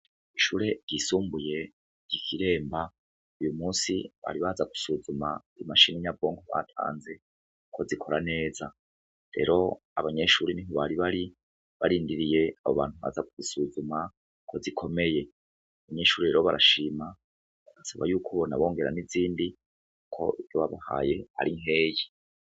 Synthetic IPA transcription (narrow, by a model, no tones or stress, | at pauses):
iʃuːɾe̞ɟisuːmbuje̞ | ɟikʰiɾe̞ːmba | ujumuːsiβa̰ɾiβazaku̥suzuma̰ɾimaʃiniɲabo̞ːŋɡoβa̰tʰa̰ːnze̞ | kʰo̞zikʰo̞ɾane̞ːza | ɾe̞̰ɾo̞ | aβaɲe̞ʃuɾeniɦoβaɾiβaɾi | βaɾiːndiɾije̞aβo̞̰βa̰ːnthuβa̰ːzakuzisuzuma | kʰo̞zikʰo̞me̞je̞ | aβaɲeʃuːɾiɾeɾoβaɾʔaʃima | aɡasaβa̰juːkʰoonaβo̞ːŋɡe̞ɾaniziːndi | kukʰo̞̰ivjoβaβaha̰je̞a̰ɾiŋɦe̞ːji